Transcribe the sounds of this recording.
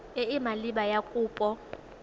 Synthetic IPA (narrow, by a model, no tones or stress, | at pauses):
eɪmaliɓajakʼuːpʼɔ